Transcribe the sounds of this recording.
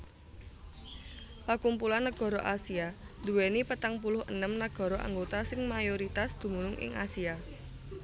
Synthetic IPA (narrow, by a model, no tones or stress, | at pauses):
pakumpulanːəɡ̥ɔ̤ɾɔʔasiad̪uwenipət̪aŋpulʊhə̰nəmnəɡ̥ɔ̤ɾɔʔa̰ŋɡot̪asɪŋmajoɾit̪asd̪̥ṳmunʊŋʔɪ̰ŋʔa̰sia